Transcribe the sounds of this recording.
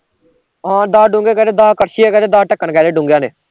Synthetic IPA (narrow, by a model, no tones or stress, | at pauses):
ɦãːd̪aːɖũŋɡeːkɛːd̪eːd̪aːkəɾʃiːɛːkɛːd̪eːd̪aːʈəkːəɳkɛːd̪eːɖʊ̃ːŋɡjãːneː